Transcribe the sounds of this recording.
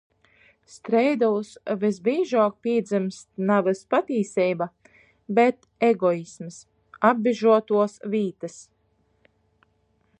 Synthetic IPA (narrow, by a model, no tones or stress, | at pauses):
st̪ɾɛjd̪ɔlusvizbiːʒaːk̚piɛd̪zɨmst̪navɨspat̪iːsɛjba | bɛt̪ | eɡɔisms | abbiʒuɔt̪uɔsviːt̪ɨs